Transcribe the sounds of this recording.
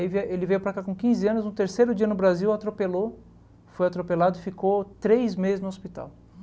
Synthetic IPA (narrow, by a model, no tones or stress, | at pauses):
ivelɪvejʊpɾakakõkĩzɪɐ̃nʊznʊt̪eɾsejɾʊd͡ʒiɐnʊbɾaziwat̪ɾopelo | fojat̪ɾopelad̪ʊɪfikot̪ɾejzmezɪznʊospit̪a̰w